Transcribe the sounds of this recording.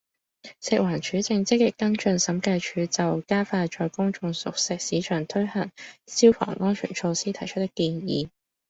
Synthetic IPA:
sɪ˨k̚waː˨˩nt͡ʃʰyː˨˥t͡sɪ˧ŋt͡sɪ˥k̚ːɪ˨kːɐ˥ŋt͡ʃɵ˧nsɐ˨˥mkɐ˧jt͡ʃʰyː˨˥t͡sɐ˨wkaː˥faː˧t͡ʃɔː˧jkʊ˥ŋt͡ʃʊ˨˧ŋsʊ˨k̚sɪ˥k̚siː˨˥t͡ʃʰœː˨˩ŋt̪ʰɵ˥ɥhɐ˨˩ŋsi˥wfɔ̰ː˨˩ŋʔɔː˥nt͡ʃʰyː˨˩nt͡ʃʰo˧wsiː˥t̪ʰɐ˨˩jt͡ʃʰɵ˥t̚t̪ːɪ˥kːiː˧njḭː˨˧

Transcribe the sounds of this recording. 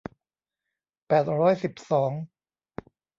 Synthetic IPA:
pɛː˨˩t̪̚ɾɔː˦˥˩jsi˨˩p̚sɔː˩˦ŋ

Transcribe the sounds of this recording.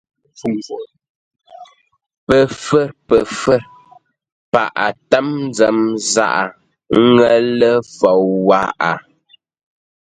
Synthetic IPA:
pə˨fə˦˨ɾpə˨fə˦˨ɾ | pa˨ʔa˨tə˦mn˦d͡zə˦˨mza̰˦ʔa˨˦ | ŋə˦lə˦fɔ˨wwa˦a˨

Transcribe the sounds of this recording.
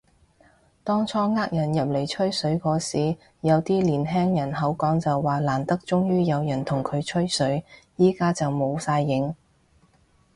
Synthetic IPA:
t̪ɔː˥ŋt͡sʰɔː˥ŋaː˥k̚jɐ˨˩njɐ˨p̚le˨˩jt͡ʃʰɵ˥ɥsɵ˨˥ɥkɔː˨˧˥siː˨˥ | jɐ˨˧wt̪iː˥liː˨˩nɦɛː˥ŋjɐ˨˩nɦɐ˨˥wkɔː˨˥ŋt͡sɐ˨wːaː˨˩laː˨˩nt̪ɐ˥k̚t͡sʊ˥ŋjyː˥jɐ˨˧wjɐ˨˩nt̪ʰʊ˨˩ŋkʰɵ˨˧ɥt͡ʃʰɵ˥ɥsɵ˨˥ɥjiː˥kaː˥t͡sɐ˨wmo˨˧wsaː˧jːɪ˨˧˥ŋ

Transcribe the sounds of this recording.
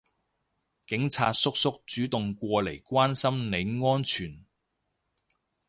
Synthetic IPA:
kɪ˨˥ŋt͡sʰaː˧t̚sʊ˥k̚sʊ˥k̚t͡syː˨˥t̪ʊ˨ŋkʷɔː˧le˨˩jkʷwaː˥nsɐ˥mne˨˧jŋɔː˥nt͡ʃʰyː˨˩n

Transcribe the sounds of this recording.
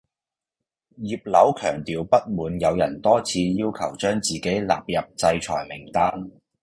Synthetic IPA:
jiː˨p̚lɐ˨˥wkʰœ̰ː˨˩ŋt̪iː˨wpɐ˥t̚muː˨˧njɐ˨˧wjɐ̰˨˩nt̪ɔː˥t͡sʰiː˧jiː˥wkʰɐ˨˩wt͡ʃœː˥ŋt͡siː˨ke˨˥jla̰ː˨p̚jɐ˨p̚t͡sɐ˧jt͡ʃʰɔ̰ː˨˩jmɪ˨˩ŋt̪aː˥n

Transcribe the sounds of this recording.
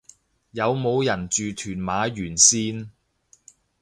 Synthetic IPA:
jɐ˨˧wmo˨˧wjɐ˨˩nt͡ʃyː˨t̪ʰyː˨˩nmaː˨˧jyː˨˩nsiː˥n

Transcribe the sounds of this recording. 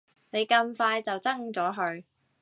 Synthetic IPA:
ne˨˧jkɐ˧mfaː˧jt͡sɐ˨wt͡sɐ˥ŋt͡sɔː˨˥ɦɵ˧ɥ

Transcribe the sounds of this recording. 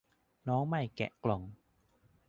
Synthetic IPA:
nɔː˨˦˥ŋma˧˩jkɛ̰˨˩ʔklɔ˨˩˦ŋ

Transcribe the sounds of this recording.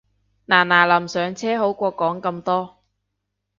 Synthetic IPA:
naː˨˩naː˨˩lɐ˨˩msœː˨˧ŋt͡sʰɛː˥ɦo˨˥wkʷɔː˧kɔː˨˥ŋkɐ˧mt̪ɔː˥

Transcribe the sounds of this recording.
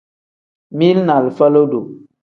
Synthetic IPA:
mi˦lna˨lfə˦lo˦do˨

